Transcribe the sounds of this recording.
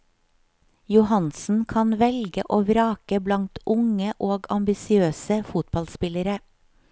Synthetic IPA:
jʊhɑnsn̩kʰɑnʋɛlɡəʔoːʋɾɑːkəblɑŋt̪ʔʊŋəʔoːɡɑmbɪsɪøːsəfʊt̪̚bɑlspɪləɾə

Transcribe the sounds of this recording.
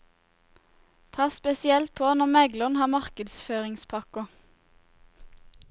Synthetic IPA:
pʰɑspɛsɪɛlt̪̚pʰoːnɔmɛɡləʁnhɑːmɑʁkəd̪sføːʁɪŋspʰɑkʊ

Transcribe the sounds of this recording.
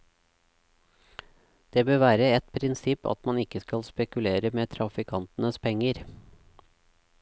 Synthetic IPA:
d̪̥eːbøːʋæːɾəɛt̪pʰɾɪnsɪpɑ̰t̪mɑnɪkːəskɑlspɛkʉleːɾəmeːt̪ʰɾɑfɪkʰɑnt̪ənəspʰɛŋːəɾ

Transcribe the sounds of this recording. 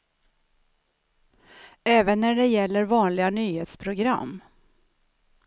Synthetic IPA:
ɛːvənːæɖɛjɛlːəɾvɑːnlɪɡanyːheːt̪spʰɾʊɡɾa̰mː

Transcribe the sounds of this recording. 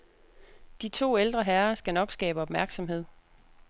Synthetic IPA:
d̥it͡sʰo̝̰ːeld̥ʁɐɦæɐsɡ̥ænɒ̽ɡ̥sɡ̥ɛ̰ːb̥əɒ̽b̥mæɐɡ̥sɒ̽mhe̝ð̰ˠ

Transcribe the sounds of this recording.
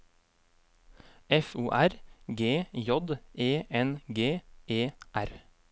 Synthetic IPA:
ʔɛfuːʔæɾɡeːjɔd̪ʔeːʔɛnɡeːʔeːʔæɾ

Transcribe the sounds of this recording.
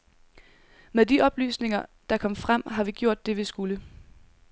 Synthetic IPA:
meðˠd̥iʔɒ̽b̥ly̰ːsne̝ŋɐd̥ɑ̈kʰɒ̽m̰fʁam̰ɦɑ̈ʋiɡ̥jo̝ɐ̰d̥ːe̝ʋisɡ̥ulə

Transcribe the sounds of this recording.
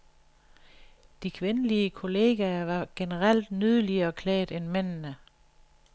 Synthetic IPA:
d̥ikʰʋe̝nəliəkʰo̝le̝ːɡ̥æɐʋɑ̈ɡ̥enəʁal̰d̥nyð̞ˠəliɐːkʰlɛ̰ːd̥enmen̰nə

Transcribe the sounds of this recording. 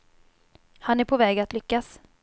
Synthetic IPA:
hanæɾpʰɔvɛːɡat̪lʏkːas

